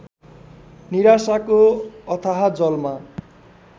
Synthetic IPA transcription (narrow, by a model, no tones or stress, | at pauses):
niɾasakoʌt̪ʰʌɦad͡zʌlma